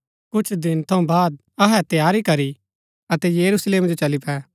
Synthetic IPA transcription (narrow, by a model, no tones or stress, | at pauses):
kʊt͡ʃʰd̪ɪnt̪ʰɐũbaːd̪̚ | ɐɦɛt̪jaːɾikɐɾi | ɐt̪ɛjɐɾusleːmd͡ʒot͡ʃɐlipɛː